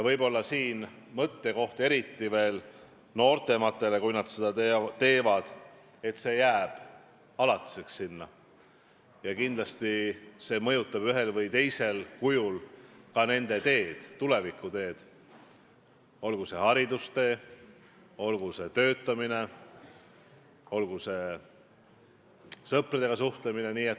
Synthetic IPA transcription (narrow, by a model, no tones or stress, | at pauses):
jɑvɤjbo̞lːɑsiːn | mɤt̪ːe̞ko̞ht̪e̞ɾit̪ːive̞ːl | no̞ːrt̪e̞mɑt̪ːˑe̞le̞kujnɑd̪̥sed̪ɑt̪et̪e̞ːvɑd̪̥ | e̞t̪se̞ːjæːb̥ | ɑlɑt̪ːˑi̥seksːinːɑ | jɑkind̪̥lɑst̪ise̞ːmɤ̞jut̪ːˑɑb̥yɦe̞lvɤjt̪e̞jse̞lkujulkɑne̞nd̪̥e̞t̪e̞ːd̪̥t̪ːule̞vikːˑut̪e̞ːd̪̥ | o̞lɡuse̞hɑɾid̪̥ust̪e̞ː | o̞lɡ̥use̞t̪ø̞ːt̪ːˑɑmine̞ | o̞lɡuse̞ | sɤprid̪̥e̞ɡ̥ɑsuht̪lemine̞niːet̪